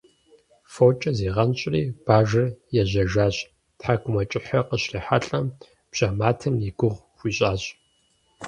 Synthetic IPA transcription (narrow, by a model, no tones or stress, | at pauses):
foːt͡ʃʼɐzeːʁɐnɕʼriːb̥aːʒɐrjɛʑɐʒaːɕ | tħaɡʷʊmɐt͡ʃʼɪħɐqəɕriːħaɬʼɐm | b̥ʒ̥amaːtʰɨmjiɡʷʊʁ | xʷiːɕʼaːɕʼ